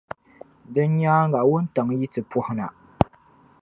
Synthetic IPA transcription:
dɨ˦n˦ɲaː˦ŋɡa˨ʔwʊ˦n̩˦ta˨ŋji˦tɨ˨pɔ˦hʊ˦na̰˨

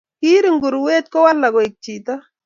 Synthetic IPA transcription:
ki˦ɾi˨ŋɡu˨ɾweː˦t̪̚kɔ˦wa˦lːa˨kɔ˨ik̚t͡ʃita˦

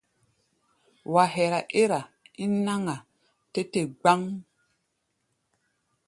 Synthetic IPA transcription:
wa˨ɦɛ˨ɾa˨ʔe˦ɾa˨i˦na˦ŋa˨ | te˦te˨ɡ͡ba˦ŋ

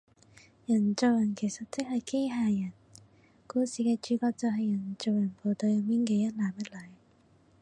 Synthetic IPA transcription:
jɐ˨˩nt͡so˨wjɐ˨˩nkʰe˨˩jsɐ˨t̚t͡sɪ˥k̚hɐ˨jke˥jɦaː˨jɐ˨˩n | kuː˧siː˨˧kɛː˧t͡ʃyː˨˧kɔː˧k̚t͡sɐ˨˧wɦɐ˨jɐ˨˩nt͡ʃo˨wjɐ˨˩npo˨˧t̪o˧ɥjɐ˨˧miː˥nkeː˧jɐ˥t̚laː˨˩mjɐ˥t̚lɐ˨˥j

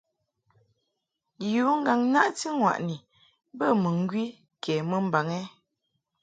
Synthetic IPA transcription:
juː˨˦ŋ̩˦ɡa˨ŋna˦ʔti˦ŋwa̰˨ʔni˨ | bə˦˨mə˨ŋ˦ɡɥi˦ | kʰɛ˨mə˦m̩˦ba˨ŋɛ˦

